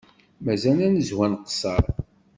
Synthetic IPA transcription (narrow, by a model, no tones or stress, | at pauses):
mæzænænəzwænqə̥sɑɾˤ